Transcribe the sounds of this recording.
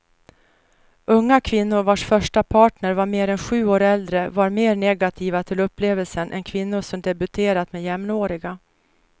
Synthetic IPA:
ɵŋːakʰvɪnːʊɾvaʂfœʂʈapʰɑːʈɳəɾvaɾmeːɾɛnɧʉ̟ːoːɾɛld̪ɾəvaɾmeːɾɳɛɡat̪ʰiːvat̪ʰɪlɵpːleːvəlsənʔɛ̰nkʰvɪnːʊʂɔmd̪ɛbɵt̪ʰeːɾat̪mɛjɛmnoːɾɪɡa

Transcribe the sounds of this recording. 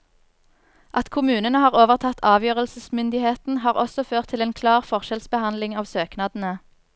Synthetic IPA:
ʔɑt̪kʰʊmʉːnənəhɑːʁoːʋəʁt̪ʰɑt̪ʰɑːʋjøːʁəlsəsmʏnd̪ɪheːt̪n̩ɦɑːʁɔsɔføːʁt̪ʰɪleːnkʰlɑːʁfɔʁʃɛlsbəhɑnd̪lɪŋɑːʋsøːknɑːd̪n̩ə

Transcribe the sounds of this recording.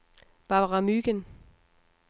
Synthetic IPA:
b̥ɑbʁɑmyɡ̥ən

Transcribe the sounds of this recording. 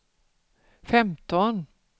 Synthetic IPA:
fɛmt̪ɔn

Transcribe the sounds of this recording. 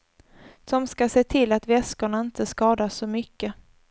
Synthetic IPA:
sɔmskaseːt̪ʰɪlːat̪vɛskəɳaɪnt̪ʰəskɑːd̪asːɔmʏkːə

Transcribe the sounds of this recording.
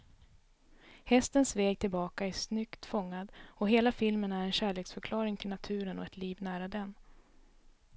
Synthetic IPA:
hɛst̪ənsvɛːɡ̚t̪ʰɪlbɑːkaæsnʏkt̪fɔŋːad̪ɔɦeːlafɪlmənæɾɛnɕæːɭeːksfœɾkʰlɑːɾɪŋt̪ʰɪlnat̪ʰʉ̟ːɾənɔɛt̪liːvnæːɾad̪ɛn

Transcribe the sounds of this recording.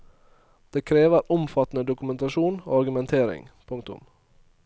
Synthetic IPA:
d̪̥eːkʰɾeːʋəɾʔʊmfɑt̪n̩əd̪ʊkʉmɛnt̪ɑʃuːno̰ːɑɾɡʉmɛnt̪ʰeːɾɪ̰ŋpʰʊŋkt̪ʊ̰m

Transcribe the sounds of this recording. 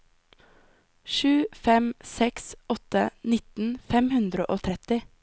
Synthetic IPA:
ʃʉːfɛmsɛksʔɔt̪ənɪt̪n̩fɛmhʉnd̪ɾəʔoːt̪ʰɾɛt̪ɪ

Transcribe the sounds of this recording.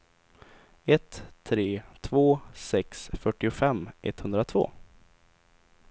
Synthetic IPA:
ɛt̪ʰːɾeːt̪ʰvoːsɛksfœʈːɪʊfɛmːʔɛ̰t̪hɵnd̪ɾat̪ʰvo̰ː

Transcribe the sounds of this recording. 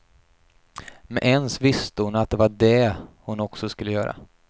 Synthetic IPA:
mɛʔɛnsvɪst̪əhʊnat̪̚d̪ɛvaɖɛhʊnɔksɔskɵlːəjœ̰ːɾa̰

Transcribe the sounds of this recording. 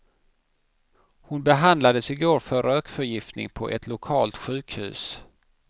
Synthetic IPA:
hʊnbɛɦand̪lad̪əsɪɡoːɾfœɾøːkfœɾjɪft̪nɪ̰ŋpʰɔʔɛt̪ʰlʊkʰɑːlt̪ɧʉ̟ːkhʉ̟̰ːs

